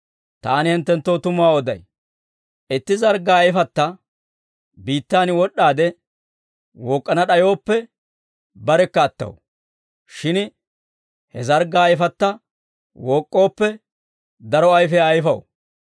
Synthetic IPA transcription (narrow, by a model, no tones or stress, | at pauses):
t̪aːnɪhɛnt̪ːɛnt̪ːoːt̪ʊmʊaːɔd̪ɐ̰j | ʔɪt̪ːɪzɐɾɡaːjɪfɐt̪ːɐ | biːt̪ːaːnɪwɔɗːaːd̪ɛ | woːkʼːɐnɐɗɐjo̞ːpːɛ | bɐɾɛkːɐːt̪ːɐ̰w | ʃɪn | hɛzɐɾɡaːjɪfɐt̪ːɐ | woːkʼːo̞ːpːɛ | d̪ɐɾɔɐjfɛɐjfɐw